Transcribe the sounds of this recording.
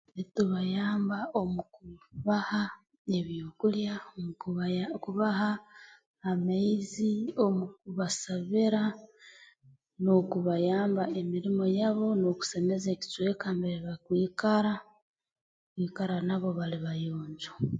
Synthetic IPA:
etuβajaːmbaomukuβaha | e̞βjokuljamukuβaɦaː | maizio̞mukuβasaβiɾa | nokuβajaːmbae̞miɾimo̞jaβo̞noku̥se̞me̞zeki̥t͡ʃwekaːmbeɾeβakwiːkaɾa | kwiːkaɾanaβo̞βaliβajoːɲɟu

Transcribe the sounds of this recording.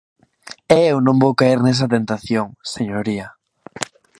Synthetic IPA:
ɛewnõmbowkaiɾnes̬ɐt̪ent̪aθjoŋseɲoɾiɐ

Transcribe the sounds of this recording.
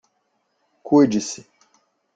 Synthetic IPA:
kued͡ʒisi

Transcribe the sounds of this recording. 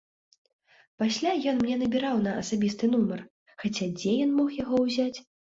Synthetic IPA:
pasʲlʲajɔnmnʲɛnɐbʲiɾawnɐɐsabʲist̪ɨnumɐr | xat͡sʲad͡zʲɛjɔnmɔxjaɣɔwzʲat͡sʲ

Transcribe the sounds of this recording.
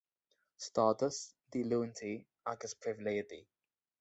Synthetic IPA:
stɑːˑtəsd̪̥iluːə̃ntʰi | akəspʰɹ̥ɪvɪliətḭ

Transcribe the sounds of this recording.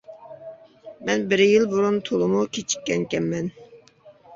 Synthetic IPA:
mɛnbɪɾjilbuɾunt̪ʰolˠʊmukʲʰet͡ʃʰi̥kʲːɛŋkʲɛmːɛn

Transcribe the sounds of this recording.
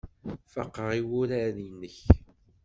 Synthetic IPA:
fɑ̰qːəʁiwʊɾaðinːəç

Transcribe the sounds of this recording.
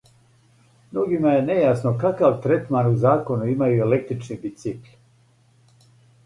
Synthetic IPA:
mnoɡimaje̞ne̞jasnokakaʋt̪ɾet̪maɾuzaːko̞nuimajue̞le̞k̚t̪ɾit͡ʃnibit̪siklʲ

